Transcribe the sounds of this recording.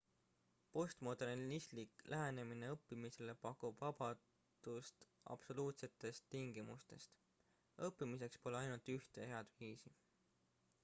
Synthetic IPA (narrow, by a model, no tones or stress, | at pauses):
po̞st̪mod̪̥e̞ɾnisliklʔæɦenemine̞ɤpːimise̞le̞pɑkːˑub̥vɑb̥ɑ | d̪̥ust̪ | ɑ̰b̥so̞luːt̪se̞t̪ːˑe̞st̪ːiŋɡ̥imust̪e̞st̪ | ɤpːimis̬e̞kspo̞leɑjnult̪yht̪e̞he̞ɑd̪viːsi